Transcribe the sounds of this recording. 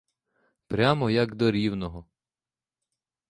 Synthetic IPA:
pɾʲamɔjɐɡd̪ɔɾʲiwnɔɦɔ

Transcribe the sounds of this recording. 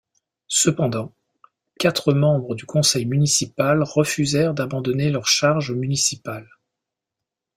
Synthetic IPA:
səpɑ̃d̪ɑ̃ | kʲat̪χəmɑ̃bʁəd̪ykɔ̃sɛjmynisipalʁəfyzɛʁd̪abɑ̃d̪ɔnelœʁʃaʁʒomynisipal

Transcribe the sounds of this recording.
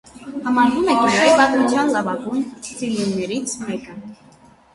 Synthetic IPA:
hɑmɑɾvumɛkiʃɛvɑt̪mut͡sʰjɑnlɑvɑɡunsiljinnɛɾit͡sʰmɛkə

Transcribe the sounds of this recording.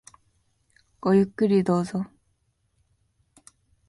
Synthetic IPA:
ɡ̥ojɯkːɯɾʲid̪o̞ːzo

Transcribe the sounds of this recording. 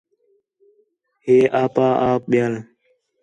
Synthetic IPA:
heːʔaːpãːʔaːp̚ɓɪjaːl

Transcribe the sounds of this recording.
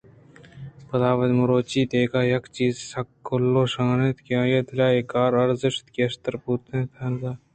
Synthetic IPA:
pɐd̪aːʋɐd̪mʊɾoːt͡ʃiːt̪eːkaːjɐkt͡ʃiːzsɐkːʊlːoːʃaːnet̪keãːjet̪laːekaːɾɐɾzɪʃt̪keːʃt̪ɐɾpuːt̪ẽt̪ʰɐnɡ̪aː

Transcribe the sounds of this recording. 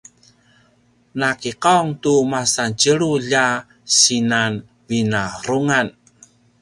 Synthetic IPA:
nakiqaŋt̪umasant͡ʃəɭuʎa | sinan | vinaɾuŋan

